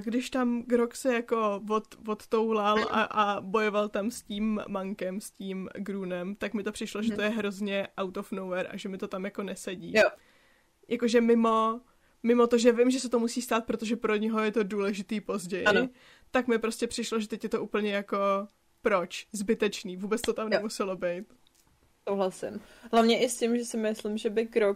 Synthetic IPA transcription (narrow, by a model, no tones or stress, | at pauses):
ɡdɪʃt̪amɡɾoksɛjako̞vot̪vot̪t̪o̞wlalʔa̰ʔabo̞jo̞valt̪amsciːmːaŋkɛmsciːmɡɾuːnɛmt̪akmɪt̪o̞pr̥ɪʃlo̞ʒɛt̪ojɛɦɾo̞zɲɛʔawt̪ofnowvɛɾʔa̰ʒɛmɪt̪o̞t̪amjako̞nɛsɛɟiː | jʔako̞ʒɛmɪmo̞ | mɪmo̞t̪o̞ʒɛvɪmʒɛsɛt̪o̞musiːst̪aːt̪̚pɾo̞t̪oʒɛpɾo̞ɲɛɦojɛt̪o̞duːlɛʒɪt̪iːpo̞zɟɛjɪ | t̪akmɪpɾoscʲɛpr̥ɪʃloʒɛt̪ɛcjɛt̪o̞ʔuːpl̩ɲɛjako̞ | pɾot͡ʃzbɪt̪ɛt͡ʃniːvuːbɛt͡st̪o̞t̪amnɛmusɛlo̞bɛjt̪ | sowɦlasɪ̰mɦlavɲɛʔɪscɪmʒɛsɪmɪslɪmʒɛbɪkɾok